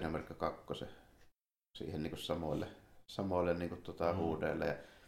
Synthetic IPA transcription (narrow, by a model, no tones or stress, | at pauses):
nemerkːækɑkːosḛ | sḭːhenniːŋkussɑmolːesɑmoˑlːenniːŋkut̪t̪ŭŏt̪ɑhuːdḛːˑlːɑ̰jɑ̰